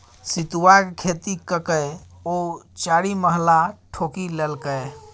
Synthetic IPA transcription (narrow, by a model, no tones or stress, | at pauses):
sit̪uwakkʰet̪ikəkəj | ot͡ʃaɾiməɦlaʈʰokilelkəj